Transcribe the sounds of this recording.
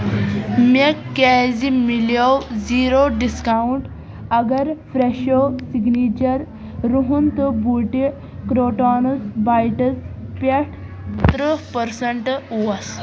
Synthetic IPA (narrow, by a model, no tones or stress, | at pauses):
mekkːɛd͡zimiljawd͡ziɾoɖiskauɳʈ | ɐɡəɾfɾeɕosiɡnit͡ɕəɾː | uɦunt̪əbuʈi | kɾoʈɔnəsbajʈəspeʈʰ | t̪ɾəpəɾsəɳʈwas